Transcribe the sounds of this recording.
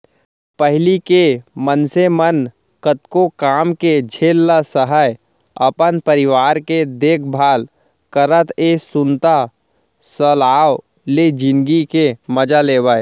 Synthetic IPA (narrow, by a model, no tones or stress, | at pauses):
pəɦlikemənsemən | kət̪kokaːmked͡ʒʱeːlːasəɦəj | əpənpəɾɪʋaːɾked̪eːkʰbʱaːl | kəɾət̪ʰeːsʊnt̪a | səlaːw | led͡ʒɪ̃nɡikeməd͡ʒaleːwəe